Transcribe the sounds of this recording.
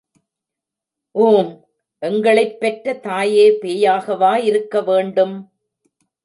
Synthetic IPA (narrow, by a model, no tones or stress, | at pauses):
ʔuːm | ʔɛŋɡɐɭɐɪpːɛʈrɐt̪aːjeːpeːjaːɣɐʋaːɪɾɯkːɐʋeːɳɖɯm